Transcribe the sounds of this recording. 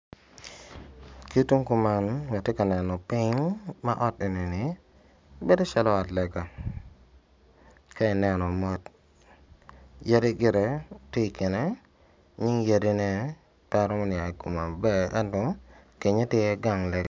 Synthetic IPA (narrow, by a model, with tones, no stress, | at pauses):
ki˦tu˦ŋku˨ma˦nwa˨te˦ka˨nɛ˨nɔ˨pɪ˦ŋma˦ʔɔ˦te˨ne˨nɪ˨ | be˦do˦t͡ʃa˦lɔ˦a˨tlɛ˨ɡa˨ | ka˦ɪ˨nɛ˨nɔ˨mɔ˦t | je˦ɾe˦ɡɪ˦ɾe˨tɪ˦˨kɪ˨nɛ˦ | ɲɪ˦ŋje˦de˦nɛ˦ | ta˦ɾɔ˦mɔ˦nɪ˨a˨ɡu˨ma˨bɛ˦ɛ̰˦ntɔ˦ | ke˨ɲe˦tjɛ˦ɡa˦ŋlɛ˨ɡa